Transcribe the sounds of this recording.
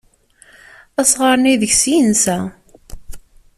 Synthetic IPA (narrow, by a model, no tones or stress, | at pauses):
æsʁəɾˤniðəçsiənsæ